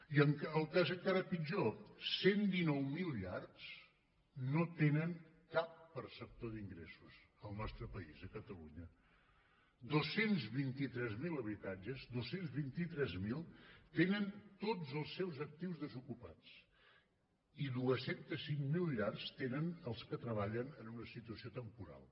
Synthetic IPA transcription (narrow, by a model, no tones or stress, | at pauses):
iəŋkəlˠkazəkaɾəpid͡ʒosend̪inɔwmilˠʎars | not̪enəŋ | kapːəɾsəp̚t̪oðiŋɡɾesuz̥ | əlˠnɔst̪ɾəpəizəkət̪əluɲə | d̪osenzβint̪it̪ɾɛzmiləβ̞it̪ad͡ʒəzd̪osenzβint̪it̪ɾɛzmilˠt̪enənt̪od͡zəlˠsːɛwzək̚t̪iwzðəzukupat͡s | iðuəsent̪əsiŋmilˠʎarst̪enənəlˠskət̪ɾəβ̞aʎənənunəsit̪uəsiot̪əmpuɾa̰lˠ